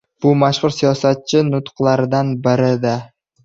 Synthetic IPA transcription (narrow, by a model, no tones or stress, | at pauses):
b̥ʊmaʃʁʊɾsijɒsat̪̚t͡ʃʰɪnʊt̪qlˠaɾɪd̪anbɪɾɪd̪a